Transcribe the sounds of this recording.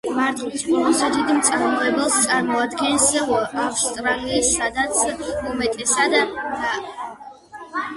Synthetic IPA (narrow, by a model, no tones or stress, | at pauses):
maɾt̪ʼisɔmɔsad͡ʒɛd̪imt̪sʼaɾmrɛbɛlˠst̪sʼaɾmɔad̪ɡɛnsɛwaafst̪ʼɾaliːsːad̪at̪sʰumɛt̪ʼɛsad̪at̪ʰa